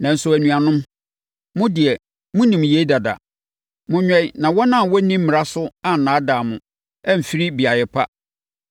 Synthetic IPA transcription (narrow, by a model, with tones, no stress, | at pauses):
nã˨n̩˦sʊ˦æ˨nũ˨a˨nʊ̃˦m | mʊ̃˦dɪ˨ɛ˨ | mʊ̃˦nĩ˨mje˦da˨da̰˨ | mʊ̃˦ɲᶣɛ̃˦i˦nã˨wɔ˦nã˦˨wɔ˦nĩ˦m̩˦mɪ̃˨a˦sʊ˦a˦n̩˨nãː˨˦daː˨mʊ̃˨ | ɛ˦m̩˨fi˦ɾi˦bi˨a˨jɛ˨pʰa̰˦